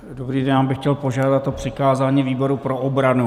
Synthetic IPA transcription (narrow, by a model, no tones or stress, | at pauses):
dobɾiːdɛnaːmbɪxcɛlpo̞ʒaːdat̪ːopr̝̥ɪkaːzaːɲiːviːbo̞ɾupɾo̞ʔobɾanu